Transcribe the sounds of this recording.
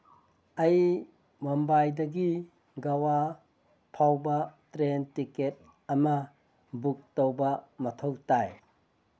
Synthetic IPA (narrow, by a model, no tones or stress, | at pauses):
ɐj | mɔmbajdɐɡi | ɡawa | pʰawbɐtɾentiket̚ | ɐmɐ | buk̚towbɐmɐtʰowtaj